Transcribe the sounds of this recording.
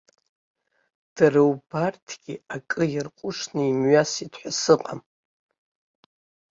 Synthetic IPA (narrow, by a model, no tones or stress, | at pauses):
d̥aɾɨwbartʰɡʲiakʼɨjɪrqʷʼʊʂnɨimɥasitʰħʷᶣasɨqʼa̰m